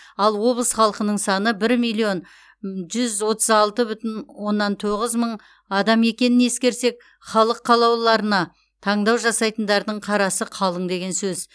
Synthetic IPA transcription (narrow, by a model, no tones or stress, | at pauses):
ɑlˠwo̞blˠəsχɑlˠəqənəɴsɑnəbɪɾmijlˠio̞n | ʒʏzwo̞t̪əzɑlˠt̪əbʏt̪ɪnwo̞nːɑnt̪ʰo̞ʁəzməɴ | ɑd̪ɑme̞kʲe̞nɪne̞skʲe̞ɾse̞k̚ | χɑlˠəqʰːɑlˠɑwlˠɑɾənɑ | t̪ʰɑɴd̪ɑwʒɑsɑjt̪ənd̪ɑɾd̪əɴqʰɑɾɑsəqʰɑlˠəɴd̪e̞ɡʲe̞nsɵz